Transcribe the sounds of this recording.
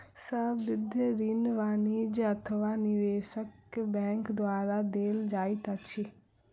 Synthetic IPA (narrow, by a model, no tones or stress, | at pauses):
sɐʋɪd̪ʱɾiːnʋaːnid͡ʒɐt̪ʰəʋanɪʋeːʃəkbɛ̃ːŋkd̪waːɾad̪eːld͡ʒaːit̪at͡ʃʰi